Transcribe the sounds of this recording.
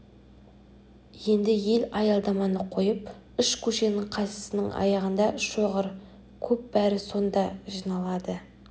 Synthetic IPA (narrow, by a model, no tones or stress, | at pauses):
je̞nd̪ɪje̞lɑjɑlˠd̪ɑmɑnəqʰo̞jəp | ʏʃkʲʰɵʃe̞nɪɴqʰɑsə̥sɪnəŋʔɑ̰jɑʁənd̪ɑʃoʁəɾ | kʲʰɵp̚bæɾɪso̞nd̪ɑʒinɑlˠɑd̪ə